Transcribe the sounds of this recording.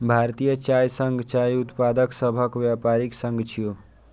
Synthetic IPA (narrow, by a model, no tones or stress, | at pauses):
bʱaɾt̪ijət͡ʃajsəŋɡt͡ʃajut̪pad̪əksəbʱəkʋjapaɾiksəŋɡt͡ʃʰijo